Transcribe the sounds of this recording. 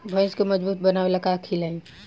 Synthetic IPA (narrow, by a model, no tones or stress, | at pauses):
bʱə̃ɪ̃skoməd͡ʒbuːt̪̚bənaːweləɡakʰilaĩ